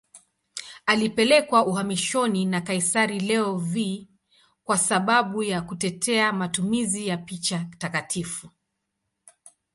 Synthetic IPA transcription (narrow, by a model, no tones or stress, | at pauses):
alipɛlɛkwauhamiʃɔninakaisaɾilɛɔvi | kwasaɓaɓujakutɛtʰɛamatumizijapit͡ʃatakatʰifu